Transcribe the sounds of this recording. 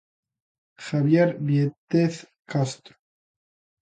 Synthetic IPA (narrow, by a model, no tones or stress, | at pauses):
xaβjeɾβjet̪eθ | kast̪ɾo̥